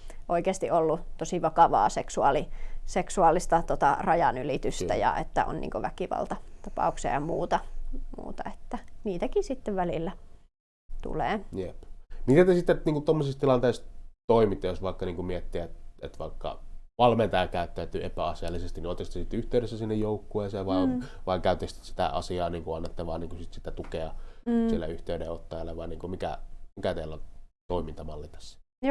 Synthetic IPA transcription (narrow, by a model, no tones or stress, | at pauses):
ʔoikeːst̪iʔolːut̪osiʋɑkɑʋɑ̰ːseksuɑliseksuɑˑlːˑist̪ɑt̪ot̪ɑrɑjɑnylit̪yst̪æjɑ̰ʔet̪ːæo̰nnḭŋkoʋækiʋɑ̰lt̪ɑt̪ɑpɑ̰ˑukseɑ̰jɑmuːt̪ɑmṵːt̪ɑet̪ːæniːt̪ækisit̪ːeʋʋælilːæ | t̪ṵlḛːjepmit̪æt̪esit̪ːeniːŋkut̪omːosist̪ilɑnt̪eˑist̪oimit̪ːejosʋɑˑikːɑniːŋkumiet̪ːiæet̪ḛt̪ʋɑ̰ikːɑ̰ʋɑlment̪ɑjɑkæˑyt̪ːæyt̪yepæɑsiɑlːisest̪iniot̪ist̪esit̪ːyht̪eˑyɾesːæsinːejoukːueːˑseːʋʋɑiʋɑiŋkæˑyt̪est̪si̥t̪æ̰ʔɑ̰siɑːniːŋkuɑnːet̪ːɑʋɑːnniːŋkusit̪sit̪ːæt̪ukeɑsilːæ̰yht̪eyɾeot̪ːɑjɑlːɑʋɑˑiniːŋkumikæ̰mikæt̪eːlːont̪oimint̪ɑmɑlːit̪ɑ̥sːi̥